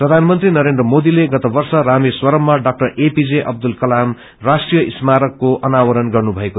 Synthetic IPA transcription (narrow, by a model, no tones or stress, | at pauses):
prʌd̪ʱanmʌnt̪rinʌɾendrʌmod̪ileɡʌt̪ʌbʌrsʌɾamiswʌɾʌmːaɖak̚ʈʌɾʔepid͡zeʔʌ̰b̚d̪ulkʌlam | rasʈrijʌʔismaɾʌkːoʔʌnawʌɾʌnɡʌrnubʱʌeko